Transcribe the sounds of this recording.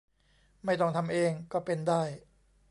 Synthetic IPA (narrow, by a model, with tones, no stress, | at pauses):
ma˥˩jt̪ɔ˥˩ŋt̪ʰa˧mʔeː˧ŋkɔː˥˩pe˧ndaː˥˩j